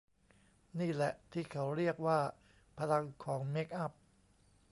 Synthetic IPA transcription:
niː˥˩lɛ̰˨˩ʔt̪ʰiː˥˩kʰa˦˥wɾi˥˩ək̚waː˥˩ | pʰa˧la˧ŋkʰɔː˩˦ŋme˦˥k̚ʔa˥˩p̚

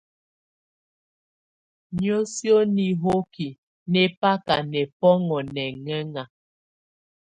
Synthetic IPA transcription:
ɲjo˦sjo˦ni˨ɦo˦ki˨ | nɛ˨pa˦ka˨nɛ˨pɔ˦ŋɔ˨nɛ˨ŋɛ˦ŋa˨

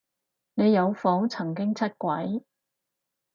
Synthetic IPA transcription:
ne˨˧jɐ˨˧wfɔ˨˥wt͡sʰɐ˨˩ŋk̬ɪ˥ŋt͡sʰɐ˥t̚kʷɐ˨˥j

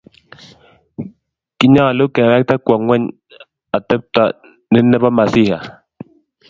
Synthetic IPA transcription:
ki˦ɲa˦˨lo˦kɛ˨ɾɛ˦k̚ta˦kʷa˨ŋwɛ˦ɲ | a˨tɛ˦p̚t̪a˦ | nɪ˦nːɛ˦ba˦ma˨si˦ha̰˨

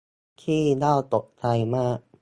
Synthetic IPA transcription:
kʰiː˥˩daː˥˩wt̪o˨˩k̚t͡ɕa˧jmaː˥˩k̚

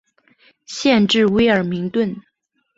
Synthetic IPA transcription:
ɕjɛ˥˧nʈ͡ʂɻ̩˥˩we˧˥ɪə˞˨˩mi˧˥ŋt̪wə˥˩n

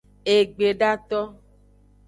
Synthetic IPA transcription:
e˨ɡ͡be˨ɖa˦t̪ɔ˦

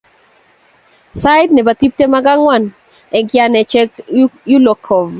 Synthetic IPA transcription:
sa˦jdnɛ˨ba˨t̪i˦p̚te˦ma˦ɡa˦ŋwa˨n | ɛ˨ɡɪa˨nɛ˨t͡ʃɛ˦kju˦lɔ˨kʰɔ˨v

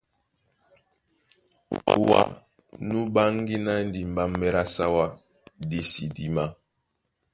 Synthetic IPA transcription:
wa̰˦ | nu˦ba˦ŋɡi˦na˦n˦di˨m˨ba˦mːɛ˦ɾa˦sa˦wa˦ | di˦si˨di˦ma˦

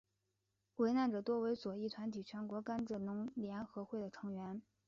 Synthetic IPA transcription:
we˧˥ɪna˥˩nʈ͡ʂɤ˨˩t̪wɔ˥we˧˥ɪt͡swɔ˨˩i˥˩t̪ʰwa˧˥nt̪ʰi˨˩t͡ɕʰɥɛ˧˥nkwɔ˧˥ka˥nʈ͡ʂ̩˥˩nʊ˧˥ŋljɛ˧˥nxɤ˧˥xwe˥˩ɪd̪ə˩ʈ͡ʂʰɤ˧˥ŋɥɛ˧˥n

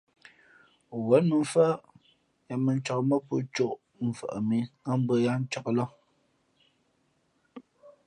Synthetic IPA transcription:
wə˨˦nmə˨ɱ˦fə˦ | ja˨mə˨n˦t͡ʃɔ˨kmə˦pṵ˦t͡ʃo˦ʔ | m̩˨fə̰˨ʔə˨mi˨ŋa˦m̩˦bə˦ja˦n̩˦t͡ʃɔ˨klɔ˦

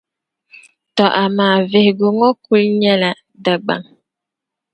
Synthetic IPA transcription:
tɔ˨ʔa˨maː˨ve˨hɡo˨ŋɔ˦ku˦lɲɛ˦la˨ | da˨ɡ͡ba̰˨ŋ

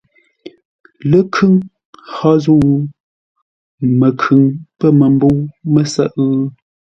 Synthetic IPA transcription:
lə˦kʰʉ˦ŋ | hɔ˦zu˦˨w | mə˨kʰʉ˨ŋpə˦mə˨m˦bo˦wmə˦˨sə̰˦ʔɣ

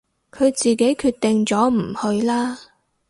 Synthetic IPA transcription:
kʰɵ˨˧ɥt͡siː˨ke˨˥jkʰyː˧t̚t̪ɪ˨ŋt͡sɔː˨˥m̩˨˩hɵ˧ɥlaː˥

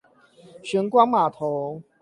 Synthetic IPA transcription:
ɕɥɛ˨˦ŋkwa˦ŋma˨˩t̪ʰo˨˦

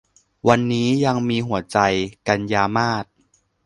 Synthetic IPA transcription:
wa˧nːiː˦˥ja˧ŋmiː˧ɦu˩˦ɐt͡ɕa˧jka˧njaː˧maː˥˩t̪̚

